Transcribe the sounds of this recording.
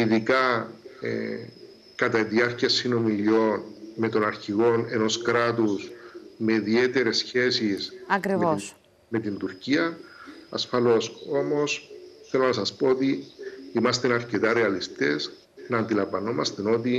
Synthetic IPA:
iðikɐḛ | kɐt̪ɐiðiɐɾciɐsːino̞milio̞nmet̪o̞nɐɾçiɣo̞ne̞no̞skɾat̪usme̞ðie̞t̪e̞ɾe̞sçe̞sisɐkɾivos | me̞t̪ind̪uɾciɐː | sfɐlo̞so̞mo̞sθe̞lonɐsɐspo̞ot̪iimɐst̪e̞nɐɾce̞t̪ɐɾe̞ɐlist̪e̞s | nɐːnd̪ilɐmvɐno̞mɐst̪eno̞t̪̬i

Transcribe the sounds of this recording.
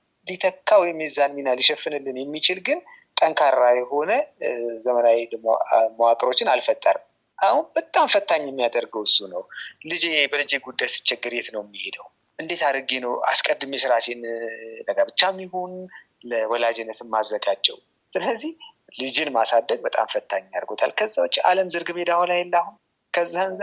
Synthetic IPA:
lit̪ʰəkʰːawɔjmezanminaliʃɛfːɨnɨlːɨnjɛmːit͡ʃɪlɡɨn | t̪ʼəŋkʰaɾːajɛho̞nəzəmənawelməwat̪ʼɾo̞t͡ʃːɪnalfət̪ʼːə̰ɾ | ʔahunbət̪ʼamfət̪ʰːaɲːɛmːijad̪əɾɡəwɨsːunəwlɨd͡ʒebəlɨd͡ʒeɡud̪ːajsɨ̥t͡ʃːɛɡɨɾjɛt̪nəwmːihed̪əw | ʔɨnd̪e̞t̪aɾəɡenəwa̰skʼəd̪ːɨmjɛsɨɾasend̪əɡabɨt͡ʃːamːihon | ləwɔlad͡ʒɪnːət̪ʰɨnːazːəɡat͡ʃʼːɛ̰w | sɨləzːih | lɨd͡ʒɪnmasad̪ːəɡ̚bət̪ʼa̰mfət̪ʰːaɲːja̰ɾɡo̞t̪ʰa̰lkʰəzːawot͡ʃːa̰ləmzɨɾɡɨbed̪aholajɛlːahun | kʰəzːanz

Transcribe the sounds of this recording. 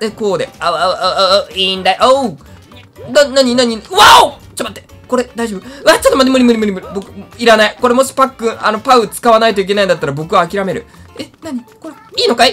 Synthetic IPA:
d̪ekoːd̪e̞̰aa | ĩnd̪aʔo | d̪anaɲ̟inaɲ̟iβao | t͡ɕibat̪ːe | ko̞ɾe̞d̪aiʑo̞bɯɯat͡ɕat̪omanemɯ̟ɾʲimɯ̟ɾʲimɯ̟ɾʲimɯ̟ɾʲibo̞kɯ̟iɾanaiko̞ɾe̞mo̞ɕi̥pakːɯ̟̃ano̞paɯ̟t͡sɨ̥kaβ̞anait̪̬oik̬e̞naĩd̪at̪ːaɾabo̞kɯ̟βaːkʲiɾame̞ɾɯ̟̰enaɲ̟iko̞ɾeiːnokae

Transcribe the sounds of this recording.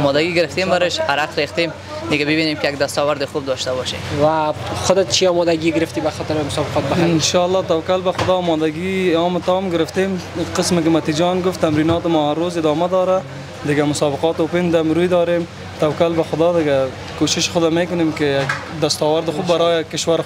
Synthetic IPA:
mɔd̪aɡiɡɪɾɪft̪embaɾɪʃa̰ɾaqɾext̪em | d̪ɪɡabɪbinemkɪjaɡd̪ast̪ɔwaɾd̪ɪxub̚d̪ɔʃt̪abɔʃḛmwaxʊd̪ɪt̪t͡ʃʰiɔmɔd̪aɡiɡɪɾɪft̪ibaxɔt̪ɪɾmʊsɔbɪqɔt̪̚baɪnʃɑalːɑt̪awkalbaxʊd̪ɑːmɔd̪aɡiɔmɪt̪ɑmɡɪɾɪft̪emqɪsmɪkɪmat̪id͡ʒɑnɡʊft̪ːamɾinɑt̪ɪmɔaɾːozɪd̪ɔmad̪ɔɾa | d̪ɪɡamʊsɑbɪqɑt̪opɪnd̪amɾujd̪ɔːɾem | t̪awkalbaxʊd̪ɔd̪ɪɡa | koʃɪʃxʊd̪amekʊnemkɪjak | d̪ast̪ɔwaɾd̪ɪxubːaɾɔjakɪʃwaɾ

